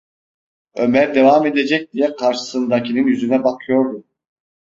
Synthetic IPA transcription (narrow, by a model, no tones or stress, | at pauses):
ø̞mæɾd̪e̞vame̞d̪ed͡ʒɛc̚d̪ijɛkʰaɾʃɯ̥sɯnd̪acʰininjyzynɛbakʰɯjo̞ɾd̪u